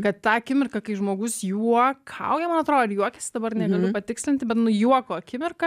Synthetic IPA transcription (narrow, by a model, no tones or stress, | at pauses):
kɐt̪t̪ɑːɐkʲɪmʲɪrkɐkɐɪʒmoːɡʊsjuɔkʰɐ̰ʊɡʲɛmɐnɐt̪ɾoːdjuɔkʲɛsʲɪd̪ɐbɐrnʲɛɡɐlʲʊpɐt̪ʲɪksʲlʲɪnt̪ʲɪbʲɛt̪nʊjuɔkoːɐkʲɪmʲɪrkɐ